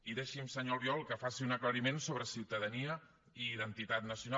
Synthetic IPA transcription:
iðeʃimsəɲɔlˠβjɔlˠkəfasiunəkləɾimensoβɾəsiwt̪əðəniə | iðənt̪it̪at̪nəsjuna

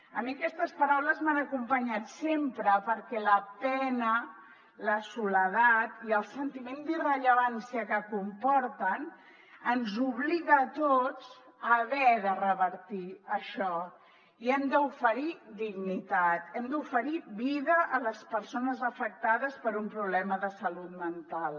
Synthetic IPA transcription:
əmiəkɛst̪əspəɾawləzmanəkumpəɲat̪sempɾəpəɾkɛləpɛnə | ləsuləðat̪iəlˠsənt̪imend̪irəʎəβansiəkəkumpɔɾt̪ən | ənzuβliɣəːt̪ot͡s | əβɛðərəβəɾt̪iəʃɔ | iɛmd̪əufəɾid̪iɣnit̪at̪ɛmd̪ufəɾiβiðəʔːləspəɾsonəzəfək̚t̪aðəspəɾumpɾuβlɛməðəsəlut̪mənt̪alˠ

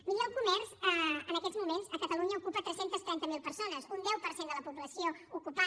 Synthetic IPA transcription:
miʎɛlˠkumɛrzəənəkɛzmumenzəkət̪əluɲəukupət̪ɾɛsent̪əst̪ɾɛnt̪əmilˠpəɾsonəzund̪ɛwpəɾsend̪ələpuβləsioukupa

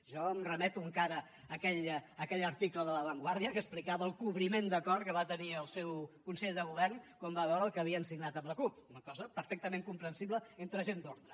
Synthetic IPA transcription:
ʒɔəmrəmɛt̪uəŋkaɾəː | kɛʎəkɛʎəɾt̪ikləðələβəŋɡwaɾðiəkəsplikaβəlˠkuβɾimend̪əkɔrkəβat̪əniəlˠsɛwkunsɛʎd̪əɣuβɛrnkɔmbaβɛwɾəːlˠkəβiəːnsiɡnat̪əmləkuunəkɔzəpəɾfɛk̚t̪əmeŋkumpɾənsiβləent̪ɾəʒend̪oɾðɾə

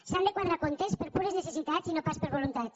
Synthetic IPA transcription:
sand̪ekwaðɾakont̪espeɾpuɾeznesesit̪at͡sinopaspeɾβolunt̪at̪

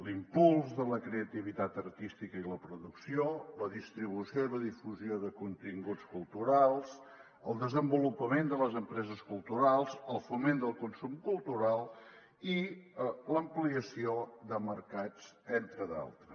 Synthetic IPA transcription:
limpulˠzðələkɾeət̪iβ̞it̪at̪ərt̪ist̪ikəiləpɾuðuksioləðist̪ɾiβ̞usioiðəðifuzioðəkunt̪iŋɡut͡skulˠt̪uɾalˠs | əlˠd̪əzəmbulupəmend̪ələzəmpɾɛzəskulˠt̪uɾalˠzəlˠfumend̪əlˠkunsumkulˠt̪uɾalˠ | i | ləmpliəsiod̪əməɾkad͡zent̪ɾəða̰lˠt̪ɾə

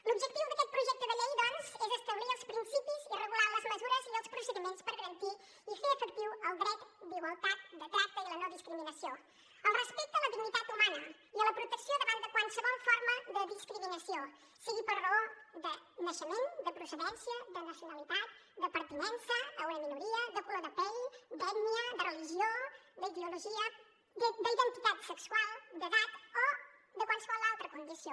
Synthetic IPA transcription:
lubʒək̚t̪iwd̪əkɛt̪̚pɾuʒɛk̚t̪əðəʎɛjðɔnzɛzəst̪əβliɾəlˠspɾinsipizirəɣulaləzməzuɾəziəlˠspɾusəðimenspəɾɣəɾənt̪i | ifeəfək̚t̪iwəlˠd̪ɾɛk̪d̪iɣwəlˠt̪at̪̚d̪ət̪ɾak̚t̪əilənoðiskɾiminəsjo | əlˠrəspɛk̚t̪ələðiɡnit̪at̪umanə | iələpɾut̪əksioðəβanəkwalˠsəβɔlˠfɔɾməðəðiskɾiminəsio | siɣipəɾrəod̪ənəʃəmend̪əpɾusəðɛnsjəd̪ənəsjunalit̪at̪̚d̪əpəɾt̪inɛnsəːunəminuɾiəd̪əploðəpɛʎd̪ɛɡniəd̪ərəliʒiod̪əiðeuluʒiə | d̪əiðənt̪it̪at̪səksualˠd̪əðat̪od̪əkwalˠsəβɔlalˠt̪ɾəkund̪isjo

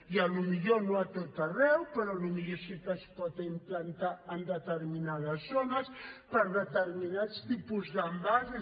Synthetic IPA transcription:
iəlumiʎonoat̪ot̪ərɛwpəɾɔlumiʎosik̪əspɔt̪imtlənt̪aənd̪ət̪əɾminað̞əzonəspəɾðət̪əɾminast̪ipuzðəmbaz

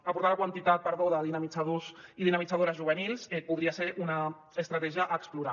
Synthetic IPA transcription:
apuɾt̪alakwant̪it̪at̪̚pəɾðoðəðinamit͡saðoziðinamid͡zaðoɾəzʒuβənilˠsɛpuðɾiaseɾʔuna | əst̪ɾat̪ɛʒəʔəkspluɾa

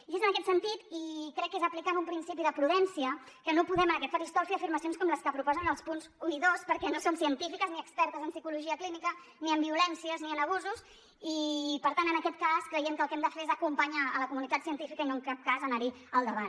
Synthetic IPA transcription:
ezənəkɛt̪sənt̪it̪ikɾɛkːezəplikanumpɾinsipiðəpɾuðɛnsiə | kənopuðɛmənakɛt̪fəɾist̪olfiəfiɾməsionskɔmləskəpɾupɔzənəlˠspunzuiðospəɾkɛnosomsiənt̪ifikəzniəkspɛɾt̪əzənsikuluʒiəklinikə | niəmbiulɛnsiəzniənəβ̞uzus | ipəɾt̪anənəkɛt̪̚kaskɾəjɛmkəlˠkɛmd̪əfeɾezəkumpəɲaələkumunit̪at̪siənt̪ifikəinoŋkap̚kazənəɾi | əlˠd̪əβan

